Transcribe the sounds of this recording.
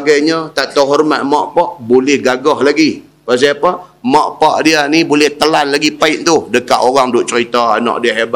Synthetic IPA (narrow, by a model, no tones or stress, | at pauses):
ɡajɲət̪aʔt̪awɦɔrma̰t̪̚maʔpaʔbolɛhɡaɡɔhlaɡi | pas̬iapa | maʔpaʔdianibolɛht̪əlanlaɡipaɪʔ̪̚t̪ʊhdəkaʔ̪oɣaŋdʊʔ̚t͡ʃəɾit̪aa̰na̰ʔdiəɦeb